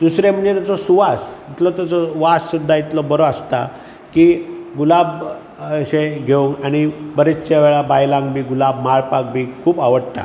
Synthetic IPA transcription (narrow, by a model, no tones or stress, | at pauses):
d̪usɾem̤əɳet̪at͡sɔsuʋasit̪lɔt̪at͡sɔʋassud̪ʱːait̪lɔbəɾoast̪a | kiɡulab | ɕeɡʱeuŋkaɽ̃ibəɾet͡st͡ɕaʋeɭabajlãŋɡbʱiːɡulabmaɭpak̚bʱiːkʰuːpaʋəɽt̪a̰